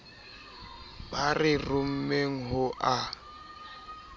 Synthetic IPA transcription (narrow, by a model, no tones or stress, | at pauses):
barɪrʊm̩meŋ̩ɦʊʔa